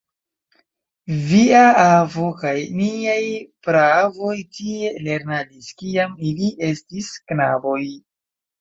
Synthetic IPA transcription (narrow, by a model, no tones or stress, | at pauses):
viaavokajniajpɾavo̞jtie̞le̞ɾnadiskiamiliʔe̞stisknabo̞j